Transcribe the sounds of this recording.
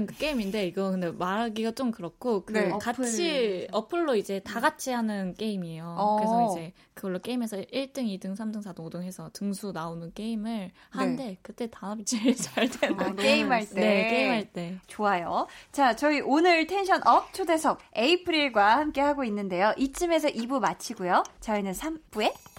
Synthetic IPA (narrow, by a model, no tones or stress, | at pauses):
ɯnkɯk͈e̞iminde̞iɡʌkɯnde̞maɾaɡiɡat͡ɕ͈omkɯɾʌk͈ʰokɯkat͡ɕʰiʌpʰɯɭːoid͡ʑe̞taɡat͡ɕʰiɦanɯnk͈e̞imiejokɯɾesʌid͡ʑe̞ | kɯɡʌɭːok͈e̞ime̞sʰʌiɭt͈ɯŋidɯŋsʰamdɯŋsʰadɯŋodɯŋɦe̞sʰʌtɯŋsʰunaonɯnk͈e̞imɯɭ | hande̞kɯt͈e̞taʌt͡ɕʰiɭt͡ɕaɭt͈enkkeimɦaɭt͈eekeimɦaɭt͈e̞t͡ɕoajot͡ɕat͡ɕʌiʔonɯɭtʰe̞nɕʰʌnʔʌp̚t͡ɕʰode̞sʰʌb̚eipʰɯɾiɭɡwahamk͈e̞haɡoinːɯnde̞joʔit͡ɕ͈ʰime̞s̬ʰʌʔibumat͡ɕʰiɡujot͡ɕʌinɯnsʰamb̥ue̞